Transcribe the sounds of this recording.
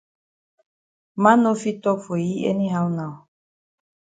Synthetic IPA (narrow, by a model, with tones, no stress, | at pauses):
mã˦no˦fi˦tɔ˦fo˨ji˦ḛ˦ni˦ɦa˦wna˨ɔ˨